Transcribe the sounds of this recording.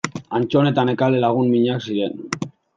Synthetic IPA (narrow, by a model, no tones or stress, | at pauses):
ant͡ʃo̞ne̞t̪ane̞kalelaɣ̞unmiɲaksiɾe̞n